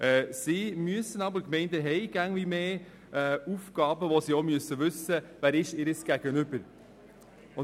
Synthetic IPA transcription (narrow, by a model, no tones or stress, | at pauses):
ʔɛːsiːmyəsənɑbəɾkmɛɪndəɦɛɪɡ̥æŋʋimeː | ɛufkɑːbəʋosiːomyəsːəʋʏsːəʋæːɾɪʃɪɾəsɡ̥æɡ̥ənʏbəɾ | ʊ